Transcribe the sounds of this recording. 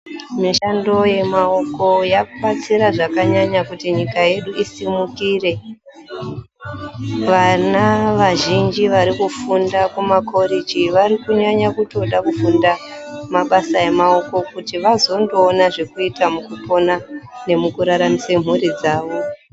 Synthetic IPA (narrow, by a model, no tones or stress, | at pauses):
miʃando̞je̞mao̞ko̞jaɓat͡siɾaʐakaɲaɲakutiɲikaje̞ɗuisimukire̞ | ʋanaʋaʒind͡ʒiʋaɾikufundakumakʰo̞ɾid͡ʒiʋaɾikuɲaɲakuto̞ɗakufundamaɓasaje̞mao̞ko̞kutiʋazo̞ndo̞ːnaʐe̞kuitamukupo̞nane̞mukuɾaɾamisem̤urid͡zaːʋo̞